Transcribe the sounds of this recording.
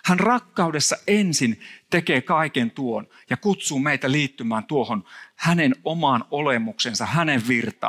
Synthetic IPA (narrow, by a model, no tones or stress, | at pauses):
hænrɑkːɑudesːɑʔensint̪ekeːkɑikent̪uon | jɑkut̪suːmeit̪æliːt̪ːymæːnt̪uohonhænenomɑːnolemuksensɑhæneʋʋirt̪ɑ̰ː